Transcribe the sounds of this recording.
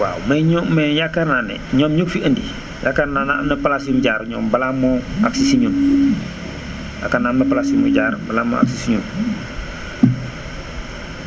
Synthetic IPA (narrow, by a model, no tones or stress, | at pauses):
wa̰wmeɲɔmːejakːananḛɲoːmɲukfiʔəndi | jakːanananepalasimuɟaːɾɲɔːmbalamoaksisiɲum | ja̰kːanamepalasimuɟaɾbalamo̰a̰ksisiɲum